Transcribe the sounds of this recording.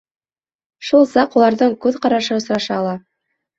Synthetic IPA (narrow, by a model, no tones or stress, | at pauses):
ʃulˠsɑqulˠɑɾðɤɴkʉðqɑɾɑʃɤŏsɾɑʃɑːlˠɑ